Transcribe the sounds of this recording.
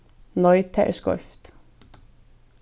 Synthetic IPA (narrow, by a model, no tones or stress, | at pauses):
nɔʏt̪ʰɛ̰ɹskɔ̰ft̪